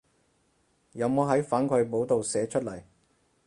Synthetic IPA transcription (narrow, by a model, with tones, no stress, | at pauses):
jɐ˨˧wmoː˨˧ɦɐ˨˥jfaː˨˥nkʰɵ˨˧ɥpo˨˥wt̪o˨wsɛː˨˥t͡ʃʰɵ˥t̚lɐ˨˩j